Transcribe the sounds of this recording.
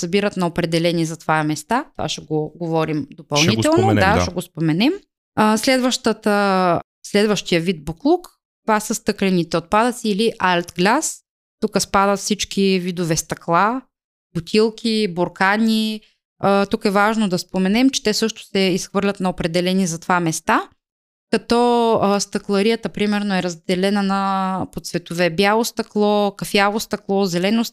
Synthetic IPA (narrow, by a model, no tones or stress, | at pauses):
sɐbiɾət̪nɐopɾɛd̪ɛlɛnizɐt̪vajɐmɛst̪at̪ova̰ʃɛɡoɡovɔɾimd̪opɐlˠnit̪ɛlˠnod̪aʃɛɡospomɛnɛm | əslɛd̪vəʃt̪ət̪ə | slɛd̪vəʃt̪ijəvid̪̚boklˠuk | t̪vasəst̪ɤklʲɛnit̪ɛot̪̚pad̪ət̪siːliʔalt̪ɡlʲas | t̪ukəspad̪ət̪fsit͡ʃkʲivid̪ovɛst̪ɐklˠa | b̥ʊt̪ʲʰilˠkʰʲiboɾkanʲi | ət̪ukɛvaʒnod̪ɐspomɛnɛmt͡ʃɛ̥t̪ɛsɤʃt̪o̥sɛisxvɤɾlʲɐt̪nɐopɾɛd̪ɛlɛnizɐt̪vamɛst̪a | kɐt̪ɔst̪ɐklˠɐɾijət̪əpɾimɛɾnoɛɾɐzd̪ɛlɛnənɐpot̪svɛt̪ovɛbjalˠost̪ɐklˠɔkɐfjavost̪ɐklˠɔzɛlɛnost̪